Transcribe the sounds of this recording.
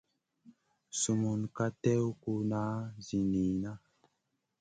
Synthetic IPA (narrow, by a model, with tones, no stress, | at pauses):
su˨mu˨nka˦tɛ˦wku˦na˦zi˨ni˨na˦